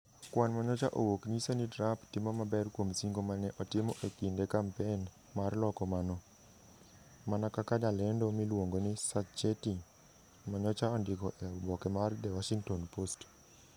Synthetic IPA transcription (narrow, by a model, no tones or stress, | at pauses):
kwanmaɲɔt͡ʃaʔowoknisonidɾaptɪmɔmabɛrkwomsiŋɡomanɛʔɔtɪmɔʔekindekampen | marlɔkɔmanɔ | manakakadalɛndɔmilwoŋɡonɪsat͡ʃeti | maɲɔt͡ʃaɔndɪkɔʔɛbɔkɛmard̪ɛwaʃiŋtɔnpost